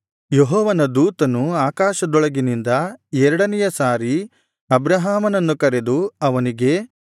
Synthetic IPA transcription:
jeɦɔːʋɐnɐd̪uːt̪ɐnuaːkaːʃɐd̪ɔɭɐɡinind̪ɐɛɾɐɽɐnɛjɐsaːɾi | ɐbɾɐɦaːmɐnɐnːukɐɾe̞d̪uɐʋɐniɡe̞

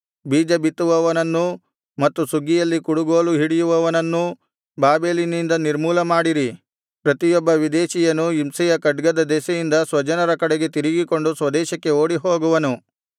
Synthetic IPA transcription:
biːd͡ʒɐbit̪ːuʋɐʋɐnɐnːu | mɐt̪ːusuɡːijɐlːikuɽuɡoːluɦiɽijuʋɐʋɐnɐnːu | baːbe̞ːlinind̪ɐniɾmuːlɐmaːɽiɾi | pɾɐt̪ijɔbːɐʋid̪ɛːʃijɐnuimsɛjɐkɐɖɡɐd̪ɐd̪ɛsɐjind̪ɐsʋɐd͡ʒɐnɐɾɐkɐɽeɡe̞t̪iɾiɡiko̞ɳɖusʋɐd̪ɛːʃɐkːe̞oːɽiɦo̞ːɡuʋɐnu

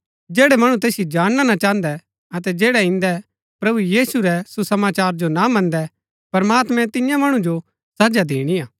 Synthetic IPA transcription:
d͡ʒeːɽɛmɐɽ̃ut̪eːsɪjed͡ʒaːɽ̃nanat͡ʃaːə̃nd̪ɛ | ɐt̪ɛd͡ʒeːɽɛɪ̃nd̪ɛ | pɾɐbujiːsuɾɛsusɐmaːt͡ʃaːɾd͡ʒonamɐ̃nd̪ɛ | pɐɾmaːt̪mɛ̃t̪ɪjãmɐɽ̃ũd͡ʒo | sɐd͡ʒad̪eːɽ̃ijaː

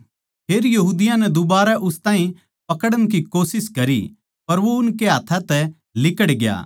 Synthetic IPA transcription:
pʰeːɾjɐɦuːd̪ɪjãnɛd̪ʊbaːɾaʔʊst̪aːɦĩ | pɐkəɽəñk̬ikoːsɪskɐɾi | pɐɾʋoʊnkeɦaːt̪ʰãt̪ɛ | lɪkəɽɡɪja̰ː

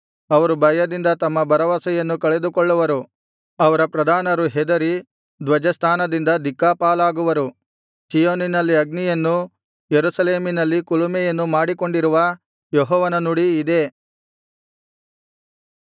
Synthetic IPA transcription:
ɐʋɐɾubʱɐjɐd̪ind̪ɐt̪ɐmːɐbʱɐɾɐʋɐsɐjɐnːukɐɭed̪ukoɭːuʋɐɾu | ɐʋɐɾɐpɾɐd̪ʱaːnɐɾuɦɛd̪ɐɾi | d̪ʋɐd͡ʒɐst̪ʰaːnɐd̪ind̪ɐd̪ikːaːpaːlaːɡuʋɐɾu | sijoːninɐlːiɐɡ̚nijɐnːu | jeɾusɐleːminɐlːikulumɛjɐnːumaːɽiko̞ɳɖiɾuʋɐ | jɔɦɔːʋɐnɐnuɽiːd̪e̞

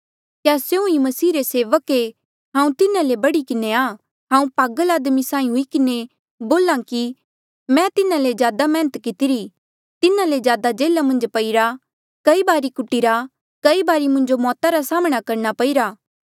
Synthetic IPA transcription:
kjasjeũimɐsiːɾeseːʋəke | ɦãːũt̪ɪnãlebɐɽikɪneaː | ɦãːũpaːɡəlaːd̪misãːĩɦʊikɪne | boːlãki | mɛ̃t̪ɪnãlezjaːd̪amɛ̃ːnət̪kɪt̪ɪɾi | t̪ɪnãlezjaːd̪ad͡ʒeːlamɐ̃nd͡ʒpɐiɾa | kɐibaːɾikʊʈːiɾa | kɐibaːɾimʊ̃ɲd͡ʒomɔːt̪aɾasaːməɽ̃akɐɾñapɐiɾaː

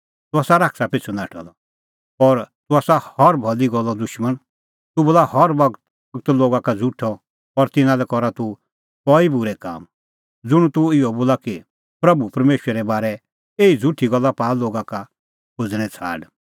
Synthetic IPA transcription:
t̪ʊaːsaɾaːksapɪt͡sʰunaːʈʰɔ̰lɔ | ɔɾt̪ʊaːsahɔɾbʱɔliɡɔlːɔd̪ʊʃmən | t̪uboːlahɔɾbɐɡ̪ | ɡt̪loːɡakad͡zʱuʈʰɔ | ɔɾt̪ɪnãlɛkɔɾat̪u | pɔibʊɾɛka̰ːm | d͡zʊɽ̃ut̪uɪɔboːlaki | pɾɐbupɐɾmeːʃɾɛɾɛbaːɾɛ | eːid͡zʱuʈʰiɡɔlːapaːloːɡaka | kʰʊd͡zɽ̃ɛ̃t͡sʰa̰ːɖ

